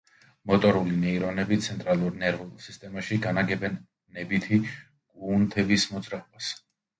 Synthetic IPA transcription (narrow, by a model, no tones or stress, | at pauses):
mɔt̪ʼɔɾulinɛiɾɔnɛbit̪sʰɛnt̪ʼɾalˠuɾnɛɾvulˠsist̪ʼɛmaʃiɡanaɡɛbɛn | nɛbit̪ʰi | kʼuːnt̪ʰɛbismɔd̪zɾaɔbas